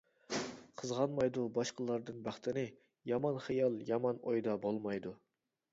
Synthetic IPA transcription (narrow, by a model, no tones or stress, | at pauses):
qʰəzʁɑnmɑjd̪ubɑʃqəlˠɑɾd̪ɨnbɑχt̪ʰɪnɨ | jɑmɑnχijɑlˠjɑmɑnojd̪ɑbolˠmɑjd̪u